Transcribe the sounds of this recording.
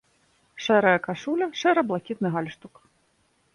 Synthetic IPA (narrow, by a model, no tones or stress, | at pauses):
ʂɛɾɐjɐkaʂulʲɐʂɛɾɐblˠakʲit̪̚nɨɦalʲʂt̪uk